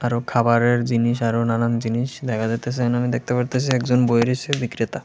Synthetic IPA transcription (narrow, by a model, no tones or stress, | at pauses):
aɾokʰabaɾeɾd͡ʑiniʃaɾonanand͡ʑiniʃd̪ɛkʰad͡ʑet̪esʰenamid̪ek̚t̪epaɾt̪at͡ɕʰiɛkd͡ʑonbojɾit͡ɕʰebikɾit̪a